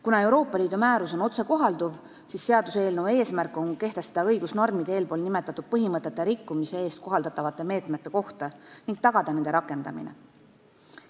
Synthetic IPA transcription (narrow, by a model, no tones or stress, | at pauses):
kunɑe̞wɾo̞ːpːˑɑliːd̪̥umæːɾuso̞no̞t̪se̞ko̞ɦɑld̪uv | sisːe̞ɑd̪use̞ːlnuwe̞ːsmærkːˑo̞nke̞ht̪esed̪ɑɤjɡusno̞rmid̪eːlpo̞ːlnimet̪ːˑɑt̪ːˑud̪̥̚pɤɦimɤt̪ːˑe̞t̪ːˑeɾikːumise̞e̞ːst̪̚ko̞ɦɑld̪ɑt̪ːˑɑvɑt̪ːˑe̞me̞ːt̪ˑmet̪ːˑe̞ko̞ht̪ɑniŋɡ̥̚t̪ɑɡ̥ɑd̪̥ɑne̞nd̪eɾɑkːˑe̞nd̪̥ɑ̰mḭnḛ